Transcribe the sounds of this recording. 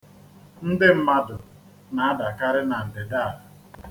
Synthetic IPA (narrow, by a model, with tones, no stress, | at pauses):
n̩˦dɪ˦m̩˦ma˦dʊ˨ | na˨a˦da˨ka˦ɾɪ˦na˨n̩˨dɪ˨da˦˨la˨